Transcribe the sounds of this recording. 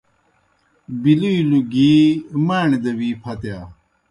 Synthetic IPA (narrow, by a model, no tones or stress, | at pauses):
biluiluɡiːmaːɳed̪ɐwiːpʰɐt̪jaː